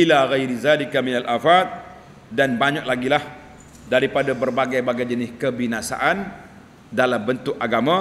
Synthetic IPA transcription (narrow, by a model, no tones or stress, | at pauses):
ilaɣajɾizaːlikaminalʔafat̪̚ | danbaɲak̚laɡilah | daɾipadabərbaɡajbaɡajd͡ʒənɪskəbinasa̰ʔan | dalambənt̪ʊk̚aɡamã